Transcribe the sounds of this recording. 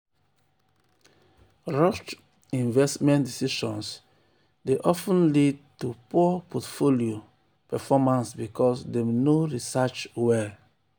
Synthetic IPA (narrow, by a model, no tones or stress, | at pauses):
ɹɔt͡ʃ | ĩnvɛstmɛ̃ndisiʃɔ̃ns | deʔɔfũnlid̚tupuɔpʰɔtfolio | pɛfɔmãnsbikʰɔsdemnoɹisat͡ʃwɛ